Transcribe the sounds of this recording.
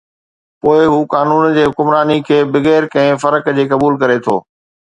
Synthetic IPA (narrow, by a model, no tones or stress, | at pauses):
poːɪɦuːkaːnuːnd͡ʑeːɦʊkʊmɾaːnikʰeːbɪɣɛːɾkɐ̃ɦɪ̃fɐɾəkd͡ʑeːkɐbuːlkɐɾet̪ʰo̰ː